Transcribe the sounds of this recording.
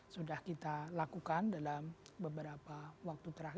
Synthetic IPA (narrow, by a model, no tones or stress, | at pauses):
sudahkit̪alakukandalambəbəɾapawak̚t̪ut̪əɾaɦ